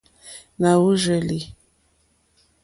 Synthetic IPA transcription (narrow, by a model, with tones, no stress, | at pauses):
na˨wu˦ʒə˨li˨